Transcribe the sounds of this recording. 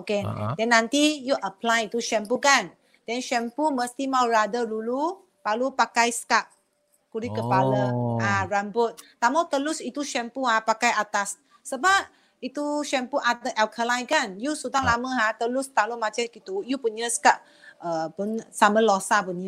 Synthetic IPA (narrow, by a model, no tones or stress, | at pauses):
okedɛnːãnt̪ijuʔəplajit̪uʃɛmpukan | dɛnʃɛmpuməst̪imawɹadədulu | palupakajskap̚ | kuɾikəpaləaɹambʊt̪̚t̪amawt̪əlʊsit̪uʃɛmpuɦapakajat̪asː | əbap̚ | it̪uʃɛmpuʔadəʔɛlkʰəlajkanjusudaŋlamə̃ɦat̪əlust̪alomat͡ʃɛkit̪ujupuɲəsə̥kap̚ | əpunsaməlɔsapuɲə